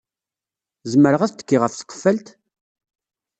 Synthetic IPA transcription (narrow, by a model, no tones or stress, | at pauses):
zəməɾəʁæθt̪ə̥kːiʁəfθə̥qːə̥fːælt̪